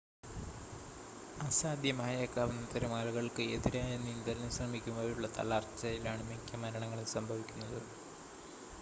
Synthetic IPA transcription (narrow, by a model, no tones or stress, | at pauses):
asaːd̪ʱjɐmaːjekːaːʋɐnːɐt̪ɐɾumaːluɣɐɭkɨeðiɾaːjenːɨind̪ɐlɐnɨsrɐmikʲːumʋɐɐɾuɭːɐt̪ɐ̰lart͡ɕːɐjilaːɳɨmikʲːɐmɐɾɐɳɐŋːɐɭilsɐmbʱɐʋikʲːunːɐðɨ